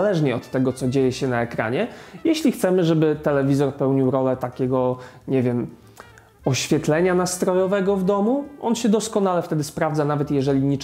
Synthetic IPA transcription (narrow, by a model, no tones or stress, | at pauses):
lɛʐɲɛɔt̪ːɛɡɔt̪sɔd͡ʑejɛɕɛnaɛkɾa̰ɲɛjeɕlʲixt̪sɛmɘʐɛbɘt̪ɛlɛvʲizɔɾpɛwɲiwɾɔlɛt̪akʲɛɡɔ | ɲɛvʲjɛm | ɔɕfʲjɛt̪lɛɲanast̪ɾɔjɔvɛɡɔvd̪ɔmuɔnɕɛd̪ɔskɔnalɛft̪ɛd̪ɘspɾavd̪zanavɛt̪jɛʐɛlʲiɲit͡ʂ